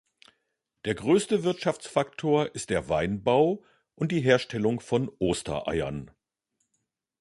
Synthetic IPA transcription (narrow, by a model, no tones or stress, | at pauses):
d̥eːɐɡʁøːstəvɪɐtʃaft͡sfaktʰoːɐʔɪstd̥eːɐvaɪnbaʊ | ʔʊnt̚d̥iːɦeːɐʃtʰɛlʊŋfɔnʔoːstɐ̰ʔa̰ɪɐ̰n